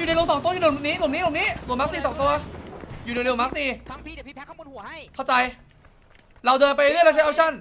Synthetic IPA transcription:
juː˨˩n˧jlo˧ŋsɔː˩˦ŋt̪u˧juː˨˩˧niː˦˥lu˨˩˦niː˦˥lo˨˩˦niː˦˥lma˦˥ksiː˧˩sɔː˨˦ŋt̪u˧ɐjuː˨˩˨maː˦˥k̚siː˧˦˧kːkʰa˥˩wt͡ɕa˧j | ɾa˧wdɤː˧npa˧jɾɯ˥˩ɾa˧˩t͡ɕʰa˦˥ʔaː˧˩t͡ɕʰa˥˩n

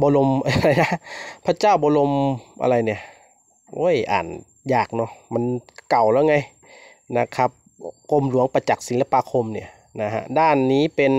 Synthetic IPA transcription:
bɔː˧lo˧mʔa˧a˧la˧jna˧˥pʰa˧˥t͡ɕaː˥˩wbɔː˧˦lo˧mʔa̰˧ɾa˧jni˧˩ɐ | ʔo̰˧˥˨jʔa̰ː˨˩n | jaː˨˩k̚nɔ˧˩ma˧˨nka˨˩wlɛː˧˩˨ŋa˧j | na˧kʰa˧˩p̚ | ko˧˥˨mlu˨˦əŋpa˧t͡ɕa˨˩k̚si˨˦la˧paː˧kʰo˧mni˧˩ɐ | na˧ɦa̰˧ʔdaː˧˥˩nːiː˦˥˨pe˧n

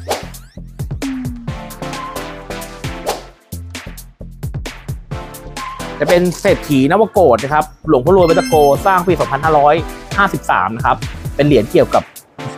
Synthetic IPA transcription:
t͡ɕaː˨˩pe˧nseː˨˩t̪̚ʰːiː˩˦na˦˥waː˧koː˨˩t̪̚na˦˥kʰa˦˥p̚lo˩˦pʰːɾu˧jba˦˥t̪a˧koː˧saː˥˩ŋp̬iː˧˩sɔː˩˦ŋpʰa˧nhaː˥˩ɾɔː˦˥jhaː˥˩si˨˩p̚sa̰ː˩˦mna˦˥kʰa˦˥p̚ːe˧nli˨˩˦ənki˨˩əwka˨˩p̚

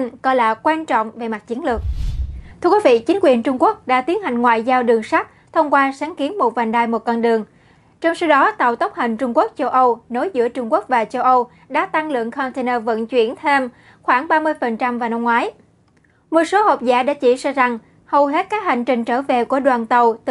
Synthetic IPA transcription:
nkɔ̰˧˩jla̰ː˧˨˩kwaː˧nt͡ɕɔ̰˧˨wŋ͡mve˨˩ma˨˩t̚t͡ɕi˨˦ənlɨ˨˩ək̚t̪ʰɨ˧əkwi˨˦vḭ˧˨t͡ɕï˨˦ŋ̟kwi˨˩ənt͡ɕʊ˧ŋ͡mku˦˥ək̚ɗa̰ː˧˥t̪i˨˦ənha˨˩jŋ̟ŋwa̰ː˧˨jzaː˧wɗɨ˨˩əŋsa˦˥k̚t̪ʰə˧wŋ͡mkwaː˧saː˨˦nki˨˦ənmo˨˩t̚vaː˨˩nɗaː˧˩jmo˨˩t̚kɔ˧nɗɨ˨˩əŋ | t͡ɕɔ˧wŋ͡msa˧wɗɔ˨˦t̪a̰˧˨wt̪wk͡p̚hï˨˩ŋ̟t͡ɕʊ˧ŋ͡mku˦˥ək̚t͡ɕə˧wʔə˧wno˨˦jzɨ̰˧˥ət͡ɕʊ˧ŋ͡mku˦˥ək̚vaː˨˩t͡ɕə˧wʔə˧w | ɗa̰ː˧˥t̪a˧ŋlɨ̰˧˨əŋkʰɔ˧nt̪e˧nəː˧və̰˧˥nt͡ɕwḭ˧˩ənt̪ʰe˧m | xwaː˧˩ŋɓaː˧mɨ˧əjfə˨˩nt͡ɕa˧mvaː˨˩wna˧mŋwaː˨˦j | mo˨˩t̚so˨˦hə˨˩wp̚za̰ː˧˥ɗa̰ː˧˥t͡ɕḭ˧˩sa˧za˨˩ŋ | hə˨˩wɦe˦˥t̚kaː˦˥k̚ha˨˩ŋ̟t͡ɕï˨˩ŋ̟t͡ɕəː˧˩ve˨˩ku˧˩əɗwaː˨˩nt̪ə˨˩wt̪

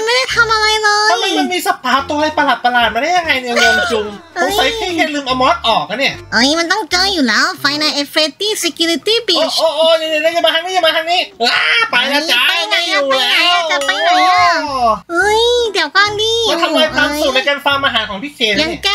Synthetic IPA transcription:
nma˥˩jda˥˩jt̪ʰa˧mʔa˧ɾa˧jlɤː˧a˧jma˧˩ma˧nmiː˧sa˧pʰaː˨˦˥p̚t̪u˧ha˥˩jpa˧la˨˩t̪̚pa˧laː˨˩t̪̚ma˧nha˥˩ja˧ŋːa˧jni˧˨˧ŋoː˧mt͡ɕu˧ŋo˧˦˧sa˧˦j̪ʰiː˥˩kʰa˧˥˩lɯː˧mʔa˧mɔː˦˥t̪̚ʔɔː˨˩k̚ʔa˧˦ni˥˩ɐʔʔa˧˩jma˧nt̪ɔ˥˩ŋt͡ɕɤː˧juː˨˩lɛː˦˥wfa˧jna˧ʔe˧fʰɾe˦˧˥t̪iː˥˩se˧kju˧ɾi˧t̪iː˥˩bi˨˩˧ʔoː˧ʔoː˧ja˧ŋaː˧˩na˧˥˩ka˧˩maː˧t̪ʰa˥˩niː˥a˧˩maː˧aː˥˩niː˦˥˩la˧˥pa˧jla˧t͡ɕa˧˨˩a˧jŋa˧jluː˧˨a˧ja˩a˧˥a˨pa˧ja˧˥˩ʔɤ˧˥˩jd̪i˨˦əwkaː˧˥˩ndiː˧˥˩mɔ˧t̪ʰa˧laː˧j̪aː˧˦˧sju˨˩t̪̚na˧jkaː˧nfaː˧mʔa˧ɦaː˩˦kʰɔː˩˦ŋp̪ʰi˦˥˩kʰeː˧nja˨˧˩ŋ˧˩ka˧˥

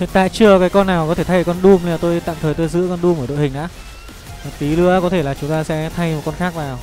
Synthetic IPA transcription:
v̰t̪a̰ː˧˨jt͡ɕɨ˧əkaː˨˦jkɔ˧nːaː˨˩wkɔ˨˦t̪e˧˩a˧jkɔ˧nɗu˧m˨˧la˨˩t̪o˧jt̪a̰ː˧˨mt̪ʰəː˨˩jt̪o˧jzɨ̰˧˥kɔ˧nɗu˧məː˧˩ɗo̰˧˨hï˨˩ŋ̟ʔa̰ː˧˥˨ | t̪i˨˦lɨ˧˦əkɔ˨˦t̪ʰe˧˩laː˨˩t͡ɕʊ˨˦ŋ͡mt̪aː˧sɛ̰˧˥t̪ʰa˧jmo˨˩t̚kɔ˧nxaː˦˥k̚naː˨˩w

